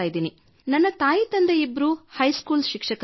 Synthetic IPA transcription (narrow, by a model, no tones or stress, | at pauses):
aːjid̪iːni | nɐnːɐt̪aːjit̪ɐnd̪eibːɐɾuhɐjskuːlʃikʂɐk